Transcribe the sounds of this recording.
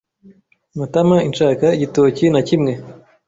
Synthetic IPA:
matamaint͡ʃaːkaiɟitoːcinacimŋe̞

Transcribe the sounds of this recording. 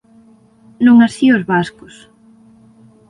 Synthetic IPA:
noŋasiozβaskos

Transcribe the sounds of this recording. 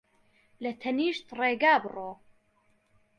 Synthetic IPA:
lɐt̪ʰɐniːʃt̪reːɡaːbɨroː

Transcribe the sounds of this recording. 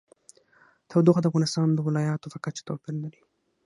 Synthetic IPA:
t̪ʰawd̪oxad̪əafɣɑnɪst̪ɑnd̪əwɪlɑjɑt̪ofakat͡ʃt̪awpɪllaɾi

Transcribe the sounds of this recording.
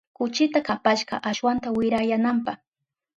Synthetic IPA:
kʊt͡ʃɪt̪akapaʃɢɑ̰ʔaʃwant̪awɪɾajanampɑχ

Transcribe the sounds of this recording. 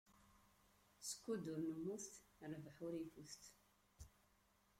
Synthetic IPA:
sə̥kʷːud̪uɾnəmːuθt̪ɾvəħʊɾifuθt̪

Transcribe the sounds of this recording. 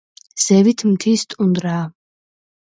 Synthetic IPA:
z̥ɛvit̪ʰmt̪ʰiːst̪ʼund̪ɾaː

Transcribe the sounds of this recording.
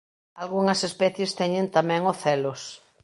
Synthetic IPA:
alɣuŋɐsespɛθjest̪ɛɲẽnt̪amɛ̃ŋoθɛlos

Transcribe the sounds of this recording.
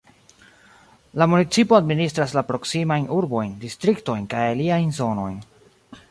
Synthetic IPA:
lamunit͡sipo̞administɾaslapɾo̞ksimajnʔuɾbo̞jndistɾikto̞jnkajaliajnzo̞no̞̰jn

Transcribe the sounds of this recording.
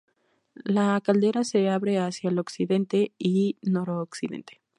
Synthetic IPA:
lakald̪eɾase̞aβɾe̞asjaelo̞ksiðe̞nt̪e̞ino̞ɾoːksiðḛnt̪e̥

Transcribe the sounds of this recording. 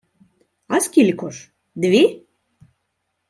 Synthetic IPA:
ɑskʲilʲkoʃ | d̪βi

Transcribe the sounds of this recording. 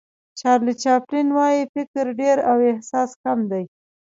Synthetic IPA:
t͡ʃɑɾlit͡ʃɑplinwɑjifɪkɾɖeɾawɪhsɑskamd̪aj

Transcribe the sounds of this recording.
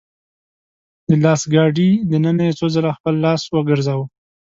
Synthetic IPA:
d̪əlɑsɡɑɖid̪ənənajet͡sozəlaxpəlːɑswəɡəɾzawə

